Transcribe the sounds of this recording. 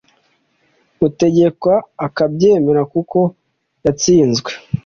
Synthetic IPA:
ute̞ɟe̞kwaːkabje̞ːme̞ɾakuko̞ | jat͡siːnzɡwe

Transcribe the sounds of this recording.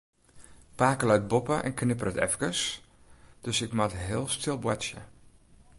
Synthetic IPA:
paːkəlœɥt̚bopəʔɛ̰nknɪpərətɛ̰fkəs | d̥øsɪkmatɦɪːlˠstʰɪlˠbwasjə̰

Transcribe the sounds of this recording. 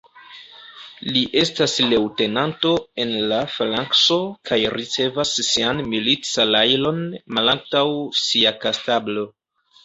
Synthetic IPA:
liʔe̞stasle̞wte̞nanto̞e̞nlaflaŋkso̞kʰajɾit͡se̞vasːianmilit͡salajlo̞nmalaŋ̚tawsiakastablo̞

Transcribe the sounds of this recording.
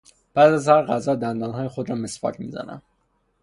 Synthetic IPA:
b̥æːd̪æzhæɾɣæzɒːd̪ænd̪ɒːnɦɒːjexod̪ɾɒːme̞spɒ̰cʰmḭːzæ̰næ̰m

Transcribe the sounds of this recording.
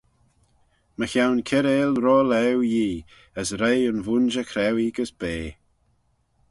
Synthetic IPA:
məxawnkʰɪɾeːlɾoːlɛwjiː | əsɾejʊnvund͡ʒəkʰɾɛwiɡəsb̥eː

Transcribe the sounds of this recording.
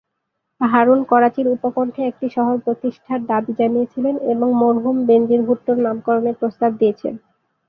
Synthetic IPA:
pɦaɾunkɔɾat͡ɕiɾupokoɳʈʰeek̚ʈiʃɔɦoɾpɾot̪iʃʈʰaɾd̪abid͡ʑanijet͡ɕʰileneboŋmoɾɦumbend͡ʑiɾbʱuʈːoɾnamkɔɾoneɾpɾost̪ab̚d̪ijet͡ɕʰḛn

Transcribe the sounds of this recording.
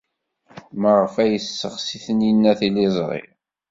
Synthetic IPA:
məʁəfæjəsːəʁsiθənjinːæθilizˤʁḭ

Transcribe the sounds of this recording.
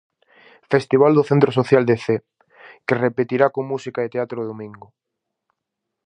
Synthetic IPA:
fest̪iβ̞ald̪oθẽnt̪ɾos̬oθjald̪eθe | kerepet̪iɾakomusikaet̪eat̪ɾoðomĩŋɡo

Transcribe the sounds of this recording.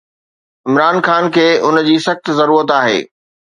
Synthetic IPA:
ɪmɾaːnxaːnkʰeːʊnd͡ʑiːsɐxt̪zɐɾuːɾət̪aːɦḛː

